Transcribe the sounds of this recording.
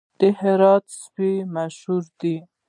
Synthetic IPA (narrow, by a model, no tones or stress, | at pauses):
d̪̥əhɪɾɑt̪spimaʃhuɾd̪i